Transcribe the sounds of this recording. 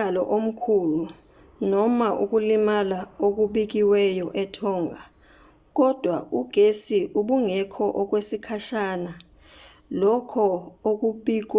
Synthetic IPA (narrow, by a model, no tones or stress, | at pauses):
alɔʔom̩kʰulu | nɔmaʔuk̬ulimalaok̬uɓik̬iwɛjɔʔɛtʰɔːŋa | k̬ɔd̥ʱwauɡ̥ʱesiʔuɓuŋɛkʰɔʔɔk̬wesikʰaʃaːna | lɔkʰɔok̬uɓiːk̬